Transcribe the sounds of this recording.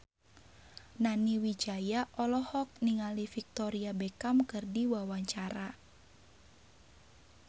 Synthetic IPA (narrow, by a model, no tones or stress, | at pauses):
naniwid͡ʒajaʔɔlɔhɔk̚niŋalifik̚t̪ɔɾiabekamkɨrdiwawaɲt͡ʃaɾa